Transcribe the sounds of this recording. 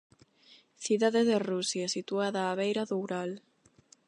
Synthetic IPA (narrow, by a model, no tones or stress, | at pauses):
θiðaðeðerusjasit̪uaðaːβejɾaðowɾal